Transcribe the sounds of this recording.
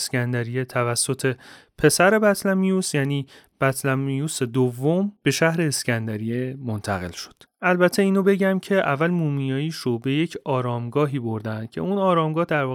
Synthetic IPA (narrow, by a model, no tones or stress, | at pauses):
scænd̪æɾijet̪ʰævæsːo̞t̪ʰe̞ | pʰe̞sæɾe̞bæt̪ʰlæmijusjæːniː | b̥æt̪ʰlæmijuse̞d̪ovːomb̥e̞ʃæhɾe̞ːscænd̪æɾijemo̞nt̪ʰæ̰ɣe̞̰lʃo̥d̪̥ʔælbæt̪ʰːe̞iːnobe̞ɟæmcʰe̞ʔævːælmuːmijɒːjiːʃobe̞je̞cʰɒːɾɒːmɡɒːɦiːbo̞ɾd̪ænd̪̥kcʰe̞̰unɒːɾɒːmɡɒːhd̪æɾvɒː